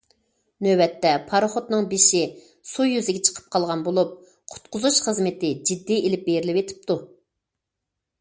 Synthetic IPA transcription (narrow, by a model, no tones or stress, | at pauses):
nøbɛt̪ːɛpʰɑɾχot̪nɨŋbeʃi | sujːyzɪɡʲɛt͡ʃʰə̥qʰə̥p̚qʰɑlˠʁɑnbolˠup̚ | qʰʊ̥t̪qʊzuʃχəzmɪt̪ɪd͡ʒid̪ːielɪp̚beɾɪlɪwet̪ʰɪ̥p̚t̪u